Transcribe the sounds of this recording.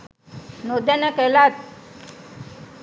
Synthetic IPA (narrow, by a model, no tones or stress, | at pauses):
nod̪janakɛlat̪̚